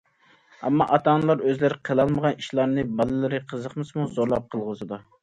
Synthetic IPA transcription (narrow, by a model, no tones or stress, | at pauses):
ɛmːɑʔɑt̪ʰɑnɨlˠɑɾøzlɪɾɪqʰəlˠɑlˠməʁɑniʃlˠɑɾnɨbɑlˠɨlɪɾɨqʰəzəqmɨsmuzoɾlˠɑp̚qʰəlˠʁəzɨd̪u